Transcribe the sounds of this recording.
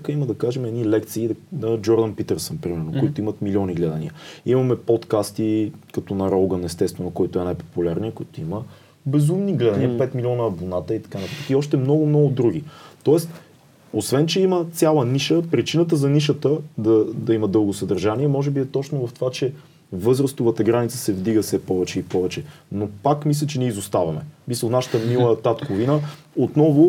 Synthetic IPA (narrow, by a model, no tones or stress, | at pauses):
kəiməd̪ɐkaʒɛmɛd̪nilɛkt̪siːnɐd͡ʒɔɾd̪ənpit̪ɛɾsənpɾimɛɾnokoit̪ʊimət̪milʲɔniɡlɛd̪ɐnḭə̰imɐmɛpɔt̪kast̪ikɐt̪ɔnɐɾɔlɡənɛst̪ɛst̪vɛnʊkɔjt̪oɛnajpo̥pulʲaɾniəkoit̪oimə | bɛzumniɡlɛd̪ɐnijəpɛt̪milʲɔnəːbonat̪əit̪ɐ̥kanɐpɾat̪əkiɔʃt̪ɛmnɔɡʊmnɔɡʊd̪ɾuɡ̟ʲit̪ɔɛst̪ | osvɛnt͡ʃɛimət̪sʲjalˠəniʃəpɾit͡ʃinət̪̬əzɐniʃət̪əd̪ɐd̪ɐimɐd̪ɤlˠɡosɐd̪ɐɾʒaniɛmɔʒɛbiɛt̪ɔt͡ʃnovɐft̪ovat͡ʃɛ | vɤzɾəst̪ʊvət̪ɐɡɾanit̪sə̥sɛvd̪iɡəfsɛpɔvɛt͡ʃɛipɔvɛt͡ʃɛnopakmis̬lʲət͡ʃɛniɛizost̪avɐmɛ̰misəlˠnaʃə̥t̪əmilˠət̪at̪kovinə | ot̪nɔvʊ